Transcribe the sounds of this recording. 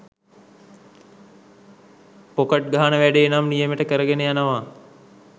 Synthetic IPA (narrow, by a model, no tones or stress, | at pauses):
pokəʈ̚ɡaɦanəʋæɖeːnamnijəməʈəkəɾəɡenejanəʋa